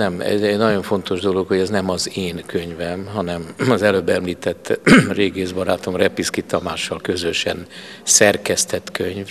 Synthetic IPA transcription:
nɛmɛ̰zɛɟnɒɟo̞ɱfo̞nt̪o̞ʒd̪o̞lokho̞ɟɛznɛmɒzeːnkʰøɲvɛmɦɒnɛmɒzɛløbːɛmliːt̪ɛt̪ːreːɡeːzbɒɾaːt̪o̞mrɛpiskit̪ɒmaːʃːɒlkø̞zøʃɛ̰n | sɛrkɛst̪ɛt̪køɲv

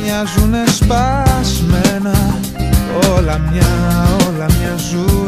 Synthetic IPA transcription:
ɲazunespasmɛna | olamɲaolamɲazu

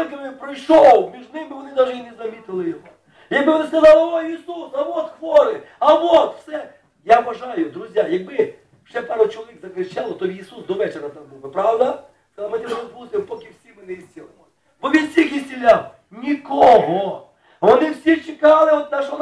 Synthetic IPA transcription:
ɪt̪ɡɐʋɾʲɪpɾɐjʂowˠmʲiʐd̪nɪmbɪʋɔnɪd̪aʒɛinɛzɐmʲit̪ɪlˠɪjɔɦo | jɐk̚bɪʋɔnɪskɐzɑlˠɪoisusɐʋot̪xʋoɾɪɐʋot̪fsɛ | jaɐbɐʐajʊd̪ɾʊzʲjajɐɡ̚bɪ | fsʲɛpaɾʊt͡ʃɔlˠɐʋʲikzɐklʲɪt͡ʃalˠɐt̪ɔiːsusd̪ɔʋɛt͡ʃɪɾɐt̪ambɨlˠbɨpɾawd̪ɐ | skɐzlˠmɪt̪ɛsɔplˠsʲɪmpokʲɪfsʲibɪnɪzʲdʲelˠɐlˠɔ | bɔʋʲisʲixjɪsʲtʲɪlʲaw | nʲikoɦɔ | ʋɔnɪwsʲit͡ʃɪkalˠɪɔt̪̚d̪aʂn

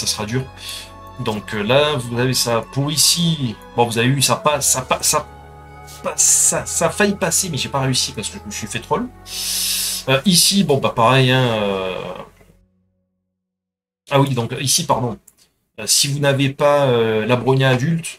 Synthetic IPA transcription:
sasəʁad̪yːʁ | d̪ɔ̃kølavuzavesapuʁisi | bɔ̃vuzaveysapasapasa | pasasafajpasemɛʒepaʁeysipaʁsə̥kəʒəməsɥifet̪χɔl | øʔisibɔ̃bapaʁɛjɛ̃ø | awid̪ɔ̃kisipaʁd̪ɔ̃ | øsivunavepaølabʁɔɲaːd̪ylt̪

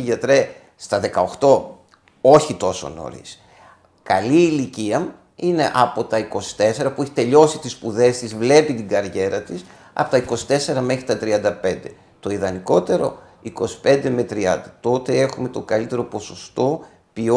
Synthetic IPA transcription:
ʝɐt̪ɾe | st̪ɐðe̞kɐoxt̪o̞ | o̞çit̪o̞so̞̰no̞̰ɾḭs | kɐliːliciɐ | ine̞̰ʔɐpo̞t̪ɐiko̞si̥t̪e̞se̞ɾɐpueçi̥t̪e̞ʎo̞sit̪ispuðe̞st̪izvle̞pit̪iɡɐɾʝe̞ɾɐt̪is | ɐ̰po̥t̪ɐiko̞si̥t̪e̞se̞ɾɐme̞xɾit̪ɐt̪ɾiɐnd̪ɐpe̞nd̪e̞ | t̪o̞iðɐniko̞t̪e̞ɾo̞̰ | iko̞si̥pe̞nd̪eme̞t̪ɾiɐ̰nd̪ɐt̪o̞t̪e̞e̞xume̞t̪o̞ɡɐlit̪e̞ɾo̞po̞so̞st̪o̞ | pio

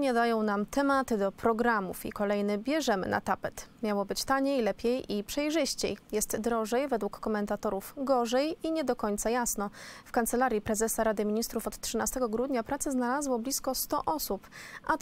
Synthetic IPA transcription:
ɲɛd̪ajɔ̃w̃namt̪ʰɛmat̪ɘd̪ɔpɾɔɡɾamṵfḭkɔlɛjnɘbʲjɛʐɛmɘ̰na̰t̪apɛt̪mʲjawɔbɘt͡ɕt̪aɲejlɛpʲjejipʂɛjʐɘɕt͡ɕḛjjɛst̪d̪ɾɔʐɛjvɛd̪wukːɔmɛnt̪at̪ɔɾufɡɔʐɛjiɲɛd̪ɔkɔɲt̪sajasnɔfkant̪sɛlaɾʲjipɾɛzɛsaɾad̪ɘmʲiɲist̪ɾufɔt̪tʂɘnast̪ɛɡɔɡɾud̪ɲapɾat̪sɛznalazwɔblʲiskɔst̪ɔʔɔsupʔa

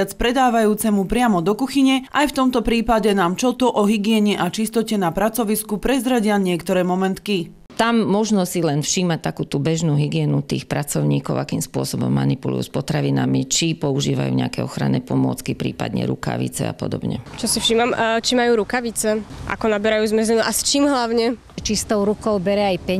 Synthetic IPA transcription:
at͡spɾɛd̪aːʋajuːt͡sɛmupɾɪamɔd̪ɔkuxiɲɛʔajft̪ɔmt̪ɔpɾiːpaɟɛnaːmt͡ʃɔt̪ɔʔɔɦiɡɪɛɲɛʔat͡ʃist̪ɔcɛnapɾat͡sɔʋiskupɾɛzɾaɟɪaɲɪɛkt̪ɔɾɛːmɔmɛnt̪ki | t̪amːɔʒnɔsilɛnfʃiːmac̚t̪akuːt̪ubɛʒnuːɦiɡɪɛːnut̪iːxpɾat͡sɔʊɲiːkɔʊakiːmspʊɔsɔbɔ̰mːa̰nipulṵjuːspɔt̪ɾaʋinamit͡ʃipɔuʒiːʋa̰jṵɲɛ̰a̰kɛɔxɾa̰nɛ̰ːpɔmʊɔ̰t͡skipɾḭːpa̰d̪ɲɛ̰ɾṵka̰ʋḭt͡sɛ̰a̰pɔ̰d̪ɔbɲɛ̰t͡ʃɔsifʃiːmamt͡ʃimajuːɾukaʋit͡sɛʔa̰kɔnabɛɾajuːzmɛzɛnuʔast͡ʃiːmɦlaʊɲɛ | t͡ʃist̪ɔʊɾukɔʊbɛɾɛajpɛ

